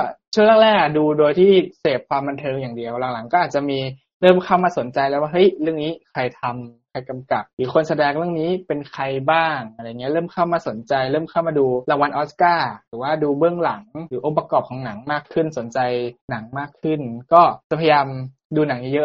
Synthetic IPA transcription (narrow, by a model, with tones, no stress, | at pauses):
kɔ˥˩t͡ɕʰu˥˩əŋlaː˥˩lɛː˥˩kduː˧doː˧jt̪ʰiː˥˩seː˨˩p̚kʰwaː˧mba˧nt̪ʰɤː˧ŋjaː˨˩ŋdi˧əwla˨˩˦la˨˩˦ŋkɔː˥˩ʔ̪̚ːt͡ɕa˨˩ʔmiː˧ | ɾɤː˥˩mkʰaː˥˩wmaː˧˩so˨˩˦nt͡ɕa˧jlɛ˦˥waː˥˩ɦɤ˦˥˩jɾɯ˥˩əŋniː˦˥kʰɾa˧jt̪ʰa˧mkʰa˧jka˧mka˨˩p̚ɾɯː˩˦kʰo˧nsa˧dɛː˧ŋɾɯ˥˩əŋniː˦˥pe˧nkʰa˧jbaː˥˩ŋʔa˧ɾa˧˨˩ŋːi˦˥˦ɾɤː˥˩mkʰa˥˩wmaː˧so˩˦nt͡ɕa˧jɾɤː˥˩mkʰaː˥˩wmaː˧duː˧la˧ŋwa˧nʔɔː˦˥skaː˥˩ɾɯː˩˦waː˥˩duː˧bɯ˥˩əŋla˩˦ŋɾɯː˩˦ʔo˦˥pːa˧kɔː˨˩p̚kʰɔː˩˦na˩˦ŋmaː˥˩kʰːɯ˥˩nso˩˦nt͡ɕa˧jna˩˦ŋmaː˥˩kʰːɯ˥˩nkɔː˥˩t͡ɕa˨˩pʰa˧jjaː˧m | duː˧na˩˦ŋniː˦˥jɤ˦˥